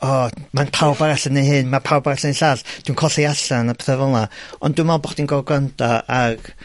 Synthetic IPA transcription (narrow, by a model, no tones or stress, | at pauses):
ɔmanpʰawbaɾaɬənehɨnmapʰawbaɾaɬəneɬaːɬd̥winkʰɔɬiaɬanapʰɛθɛvɔlˠaɔ̰ndwumɔlˠbɔχd̥inɡɔɡwantʰaaɡ̥